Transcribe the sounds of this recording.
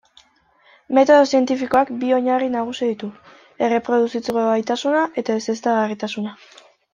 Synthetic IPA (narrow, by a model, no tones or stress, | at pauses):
me̞t̪o̞ð̞o̞sie̞nt̪ifiko̞akbio̞ɲarinaɣ̞usiðit̪u | e̞re̞pɾo̞ð̞usit͡sɣoβajt̪asunaʔe̞t̪aese̞st̪aɣarit̪asuna